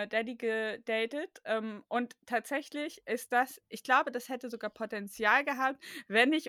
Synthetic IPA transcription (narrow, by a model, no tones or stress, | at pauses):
dɛdiɡəd̥ɛːtətʔɛːmʔʊnttʰːaːtz̥ɛçlɪçʔɪst̚d̥asʔɪçɡ̥laʊbədashɛtəzoɡaːɐpʰotɛnt͡sjaːlɡəɦaːp̚tv̥ɛnɪç